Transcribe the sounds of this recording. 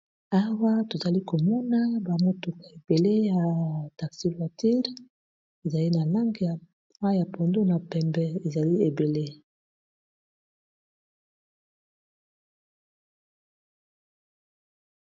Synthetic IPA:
a˦wa˦to˨za˨li˦ko˨mɔ˦na˦ba˨mo˦to˨ka˨e˨be˨le˦ja˨ta˨ksi˦fa˨ti˦ʁ | e˨za˨li˦na˨la˦ŋɡi˨ja˨ | a˦ja˨po˨ndo˦na˨pɛ˨mbɛ˨e˨za˨li˦e˨be˨le˦

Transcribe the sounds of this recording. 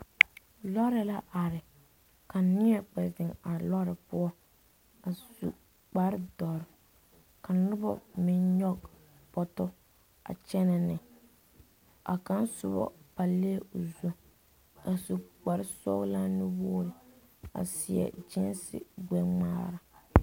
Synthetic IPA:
lɔ˦ɾɪ˦la˦ʔa˨ɾɪ˨ | ka˨nɪ˦ɛ˨k͡pɛ˨zɪ˨ŋa˨lɔ˦ɾɪ˨pʊ˦ɔ˦ | a˨su˨ | k͡pa˨ɾɪ˦dɔ˨ɾɪ˨ | ka˨nʊ˦bɔ̰˦˨mɪ˨˦nɲɔ˦ɡ | pɔ˦tɔ˦ | a̰˨t͡ʃɛ˦nɛ˨nɪ˨ | a̰˨ka˦nsʊ˦bɔ̰˦pa˨le˦o˨zo˦ | a˨su˨k͡pa˨ɾɪ˦sɔ˦ɣla˦nɪ˦wʊː˦ɾɪ˨ | a̰˨sɪ˨ɛ̰˨d͡ʒɪ˦nsɪ̰˦ɡ͡bɛ˦ŋ͡ma̰ː˦ɾa˦

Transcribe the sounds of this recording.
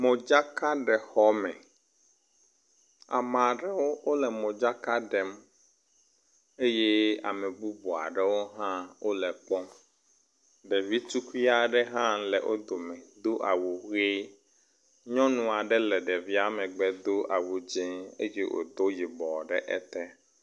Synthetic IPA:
mõ˨d͡ʒa˦ka˦ɖɛ˨xɔ˦mɛ̃˨ | a̰˨mã˨ɖɛ˦wo˦wo˦lɛ˨mõ˨d͡ʒa˦ka˦ɖɛ˨m | e˦je˦a̰˨mɛ̃˨bu˦bu˨a̰˨ɖɛ˨wo˦ɦã˦wo˦lɛ˨k͡pɔ˦ | ɖɛ˨vi˦t͡ʃu˦kʷi˦a˨ɖɛ˦ɦã˦lɛ˨ʔo˦d̪o˨mɛ̃˨d̪o˦ʔa˨wu˨ɣe˦ | ɲɔ̃˦nũ˨a˨ɖɛ˦lɛ˨ɖɛ˨vi˦a˦mɛ̃˨ɡ͡bɛ˨d̪o˦ʔa˨wu˨d͡ʒẽ˦e˦je˦ʔo̰˨d̪o˦ji˨bɔ˨ɖɛ̰˦ʔɛ̰˦t̪ɛ˦

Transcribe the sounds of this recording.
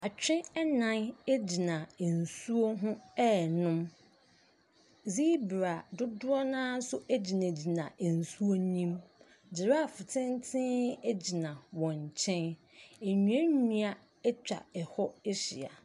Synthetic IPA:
a˨t͡ɕᶣɪ̃˦ɛ˦nã˦ne˦d͡ʑi˨nã˨n̩˨su˦o˦ɦʊ̃˦ɛː˦nʊ̃˦m | ziː˦bɾa˨dʊ˦dʊ˦ɔ˦nãː˦sʊ˦ʔæ˦d͡ʑi˨nã˨d͡ʑi˨nã˨n̩˨su˦o˦ɲĩ˦m | d͡ʑɪ˨ɾa˦˨fʊ˨tʰɪ̃˦ntʰɪ̃˦ɛ˦d͡ʑi˨nã˨wɔ̃˨ɲ˨t͡ɕʰɛ̃˦n | e˨ɲũ˨ɛ̃˦nũ˦a˦ | ɛ˦t͡ɕᶣa̰˨ɛ˨hɔ˦e˦ɕḭ˨a̰˨

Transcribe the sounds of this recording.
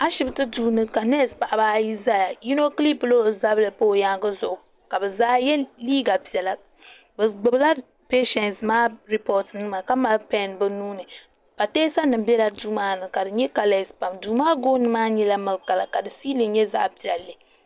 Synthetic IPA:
a˦ʃɪ˦bɨ˨tɨ˦duː˦nɨ˦ka˨nɛ˦˨spa˨ʔa˨baː˦ji˦za˦ja˨ji˦no˦kli˦plo˦˨za˦bɨ˦lɨ˨po˦˨ja˦ŋɡɨ˦zʊ˨ʔʊ˨ | ka˨bɨ˨zaː˦jɛ˦liː˦ɡa˨pi˨ɛ˨la˨ | bɨ˨ɡ͡bʊ˨bɨ˦la˦ | peː˦ʃɛ˨nsmaː˦ɾi˨pɔ˦tnɨ˦ma˨ka˦ma˦pɛ˦˨nbɨ˦nuː˦nɨ˨ | pa˨teː˦sa˦nɨ˨mbɛ˦la˦duː˦maː˦nɨ˨ka˨dɨ˨ɲɛ˦ka˨lɛ˨spa˨mduː˨maː˦ɡoː˦nɨ˦maː˦ɲɛ˦la˦mɨ˨lka˨la˨ka˨dɨ˨siː˦lɨ˨ɲɛ˦za̰ː˦pi˨ɛ˨lːɨ˨

